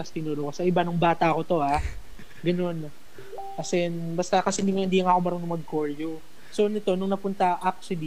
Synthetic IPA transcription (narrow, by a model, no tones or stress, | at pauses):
ɐst̪ɪnoɾokɐsɐʔɪbanʊŋbaːt̪ɐɐko̞t̪o̞a | ɡɐno̞n | kɐsɛnbɐst̪ɐkɐsɛnɪŋɐhɪnd̪iːɐŋɐkomɐɾɐŋnʊmɐɡ̚koɹjo | so̞nɪt̪o̞nʊŋnɐpʊnt̪ɐʔak̚sɪd̪i